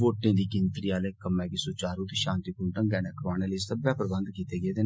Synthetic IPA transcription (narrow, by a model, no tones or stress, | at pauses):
ʋoːʈːẽːd̪iːkɪnt̪ɾiːaːleːkəmːɛ̃ːkisut͡ʃaːɾut̪iʃãːnt̪ikuɳʈəŋɡɛːnɛːkɾaːneːlesəbjaːpɾəbənd̪kiːt̪eːɡeːd̪eːn